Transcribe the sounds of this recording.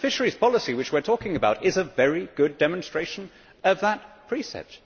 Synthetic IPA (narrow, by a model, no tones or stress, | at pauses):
fɪʃə˞iz̥pʰɑlˠəsiwɨt͡ʃwɨɹtʰɔkɪ̃ŋɨbaʊɾɪzəvɛɹiɡ̥ʊdɛmə̃n̩stɹ̥eɪʃɨ̃n̩ | ʌvðət̚pʰɹ̥isɛ̰p̚t